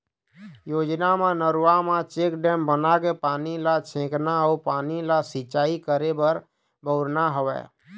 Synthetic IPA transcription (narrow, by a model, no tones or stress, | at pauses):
joːd͡ʒnamenəɾuwamẽt͡ʃekɖɛmbənakepaːnilat͡ʃʰẽknaɔpaːnilasit͡ʃaːikəɾebəɾ | bʱəʊɾnaɦəʋɛ̰